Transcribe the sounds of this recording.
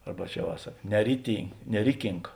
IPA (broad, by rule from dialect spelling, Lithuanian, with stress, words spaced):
ˈɐrbɐ ˈt͡ʃʲɛ ʋɐ ˈsɐk nʲɛrʲɪtʲɪn nʲɛˈrʲɪkʲɪŋk